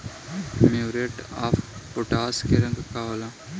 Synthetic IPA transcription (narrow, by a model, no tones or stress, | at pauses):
mewɾeʈa̰ːfpoʈaːskeɾɐ̃ŋɡkaːʋɐla